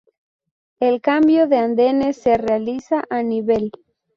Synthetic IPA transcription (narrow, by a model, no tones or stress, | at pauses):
elkambjoðeand̪eneserealisaʔaniβel